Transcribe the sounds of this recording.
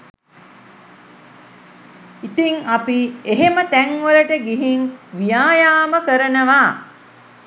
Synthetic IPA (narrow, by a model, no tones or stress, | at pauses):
it̪iŋapieɦemət̪æŋʋələʈəɡiɦiŋʋijaːjaːməkəɾənəʋaː